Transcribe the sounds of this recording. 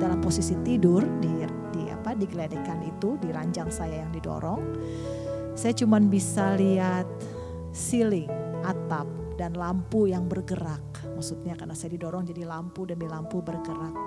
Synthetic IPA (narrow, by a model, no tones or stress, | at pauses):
dalamposisit̪idʊrdi | dia̰padiɡəledekanit̪udiɾaɲd͡ʒaŋsajajaŋdido̰ɾɔŋ | sajat͡ʃumanbisaliɦat̪̚ | silɪŋʔat̪ap̚ | danlampujaŋbərɡəɾak̚ | maksut̪̚ɲakarnasajadidoɾɔŋd͡ʒadilampudəmilampubərɡəɾak̚